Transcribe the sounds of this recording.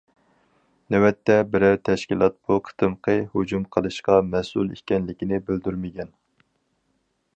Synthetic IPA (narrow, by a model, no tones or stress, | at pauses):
nɛwɛt̪ʰːɛbɪɾɛwt̪ʰɛʃkʲilˠɑt̪̚b̥uqʰə̥t̪ʰɨmqʰəhud͡ʒumqʰəlˠɨʃqɑmɛsṵlˠḭkʲɛnlɪkʲinɪbøld̪yɾmɪɡʲɛn